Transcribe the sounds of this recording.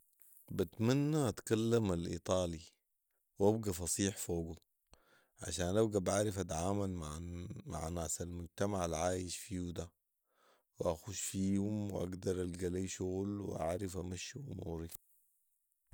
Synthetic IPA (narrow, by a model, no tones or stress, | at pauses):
bat̪manːaʔat̪kalːamalʔḭt̪ˤɑːli | wʔabɡafɑsˤiːħfoːɡu | ʕa̰ʃaːnlabɡabʔaʕɾɪfat̪aʕaːmalmaʕma̰ʕnaːsalmʊɟt̪amaʕalʕaːjɪʃfiːud̪a | wʔaxuʃfiːhumw̰ʔa̰ɡd̪ɑɾˤalɡaliːʃuɣlw̰ʔa̰ʕɾɪfamaʃːʔṵmṵːɾi